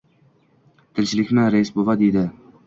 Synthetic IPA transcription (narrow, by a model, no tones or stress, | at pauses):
d̪̥ʰɪlʲt͡ʃʰɪlɪkʲmɪɾaɪsbovad̪ejd̪ɪ